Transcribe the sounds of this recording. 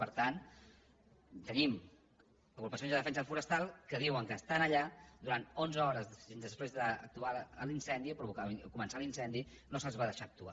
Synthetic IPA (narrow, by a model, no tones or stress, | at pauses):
pəɾt̪an | t̪ənim | əɣɾupəsionzðəðəfɛnsəðəlfuɾəst̪alˠkəðiwəŋkəst̪anəʎad̪uɾant̪onzəɔɾəznd̪əspɾezðəə̰k̚t̪uaəlinsɛnd̪iəpɾuβukakumənsalinsɛnd̪inosəlˠzβaðəʃaək̚t̪ua̰